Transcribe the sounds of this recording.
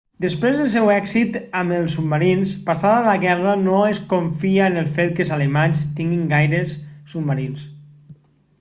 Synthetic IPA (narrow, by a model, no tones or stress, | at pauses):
d̪əspɾezðəlˠs̬ɛwɛksit̪aməlˠsːub̚maɾinspasaðalaɣɛranoeskoɱfiaenəlˠfet̪̚kəlzalimanst̪iŋɡiŋɡajɾesːubmaɾins